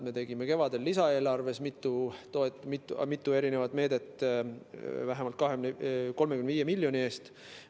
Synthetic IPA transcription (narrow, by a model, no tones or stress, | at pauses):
me̞t̪e̞ɡime̞ke̞vɑd̪e̞lːisɑe̞ːlɑrve̞smit̪ːˑut̪oet̪ːmit̪ːumit̪ːˑue̞ɾine̞vɑd̪me̞ːd̪e̞t̪ːˑ | væɦemɑlt̪kɑɦemneko̞lmekymnviːjemilːjo̞nʲie̞ːst̪